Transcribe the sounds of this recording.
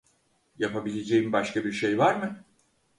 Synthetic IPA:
japabilʲe̞d͡ʒe̞jimbaʃkabiɾʃe̞jvaɾmɯ

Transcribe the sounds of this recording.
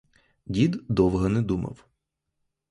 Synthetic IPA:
dʲid̪d̪ɔwɦɔnɛd̪umɐ̰w

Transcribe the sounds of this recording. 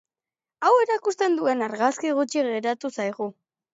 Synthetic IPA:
awe̞ɾakust̪e̞nd̪ue̞naɾɣaskiɣ̞ut͡ʃiɣe̞ɾat̪usajɣu

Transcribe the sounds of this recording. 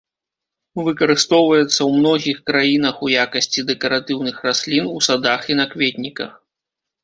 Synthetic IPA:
vɨkɐɾɨst̪ɔwvɐjɛt̪sːɐwmn̪ɔɣʲixkɾajin̪ɐxujakɐsʲt͡sʲid̪ɛkɐɾat̪ɨwnɨxrasʲlʲinusad̪axinɐkvʲet̪ʲnʲikɐ̰x

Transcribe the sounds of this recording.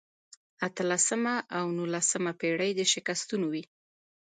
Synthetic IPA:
at̪əlasəmaʔawnulasəmapeɽəjd̪əʃɪkast̪unowi

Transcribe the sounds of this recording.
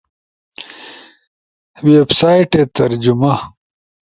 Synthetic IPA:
websaːjiʈet̪ɐɾd͡ʑumɐ

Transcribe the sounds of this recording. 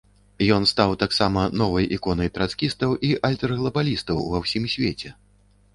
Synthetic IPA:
jɔnst̪awt̪aksamɐnɔvɐjʔḭkɔnɐjpʲɾat̪skʲist̪ɐwʔiʔalʲt̪ɛrɣlˠɐbalʲist̪ɐwvawsʲimsʲvʲet͡sʲɛ

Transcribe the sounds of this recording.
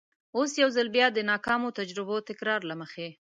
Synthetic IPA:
osjawzalbjɑd̪ənɑkɑmot̪ad͡ʒɾɪbot̪ɪkɾɑɾlaməxe

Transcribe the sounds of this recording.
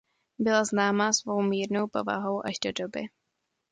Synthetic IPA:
bɪlaznaːmasvo̞wmiːɾno̞wpo̞̰va̰ɦo̞wʔaʒdo̞do̞bɪ

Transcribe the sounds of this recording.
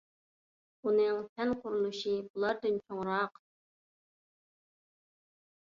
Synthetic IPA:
unɨŋt̪ʰɛnqʰʊɾulˠuʃibulˠɑɾd̪ɨnt͡ʃʰoŋɾɑq

